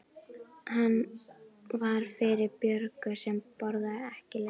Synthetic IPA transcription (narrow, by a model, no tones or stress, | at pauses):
hanː | vaɾ̥fɪɾɪɾpjœɾkʏsɛmpɔɾðaɛhcɪlɛ